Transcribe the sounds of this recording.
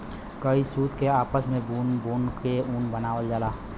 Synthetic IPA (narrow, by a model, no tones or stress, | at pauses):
kəisuːt̪keaːpəsmẽbuːnbuːnkeuːnbənaːʋəld͡ʒaːlaː